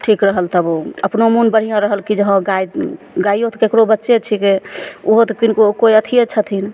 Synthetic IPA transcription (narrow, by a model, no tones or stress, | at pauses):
ʈʰikɾəɦəlt̪əboəpnomunbəɽ̤ijãɾəɦəlkid͡ʒəɦə̃ɡaj | ɡaiot̪kekɾobətːʃet͡ʃʰikeuɦot̪kinkokoiət̪ʰijet͡ʃʰət̪ʰin